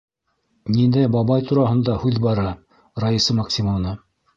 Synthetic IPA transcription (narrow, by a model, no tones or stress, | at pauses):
nind̪æjbɑβɑjt̪uɾɑɦɤ̆nd̪ɑhʉðbɑɾɑ | rajɤsɤmɐksʲimanɤ